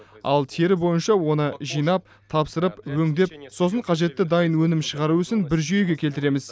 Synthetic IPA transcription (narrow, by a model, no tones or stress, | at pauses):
ɑ̰lˠt̪ʰeɾɪbo̞jənʃɑwo̞nəʒijnɑp̚ | t̪ʰɑpsəɾəpwɵŋd̪e̞p̚so̞səɴqʰɑʒe̞t̪ːɪd̪ɑjənwɵnɪmʃəʁɑɾuʏsɪnbɪɾʒyje̞ɡʲe̞kʲʰe̞lt̪ɪɾe̞mɪz